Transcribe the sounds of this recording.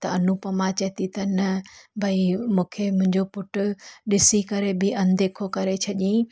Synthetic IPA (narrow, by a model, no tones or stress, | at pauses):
t̪ɐɐnupɐmãt͡ɕɐɦt̪it̪ɐnɐbʱɐimũːkʰemʊ̃ɦɪ̃ɲd͡ʑopʊʈʊɗɪsikɐɾebɪɐnd̪eːkʰokɐɾet͡ɕʰɐʄĩ